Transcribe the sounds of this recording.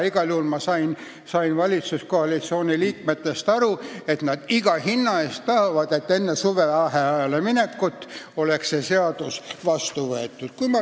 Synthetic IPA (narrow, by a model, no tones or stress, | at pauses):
iɡ̥ɑljuhulmɑsɑjn | sɑinvɑlʲit̪suskoɑlit̪sio̞ːnʲiliːk̚me̞t̪ːˑe̞st̪ɑɾue̞t̪nɑd̪̥iɡ̥ɑhinːɑe̞ːst̪ːɑhɑvɑd̪̥e̞t̪ːe̞nːe̞suve̞ɑɦeɑjɑlemine̞kːˑut̪ˑːo̞le̞kse̞se̞ɑd̪̥usvɑst̪uvɤet̪ːˑud̪̥kujmɑ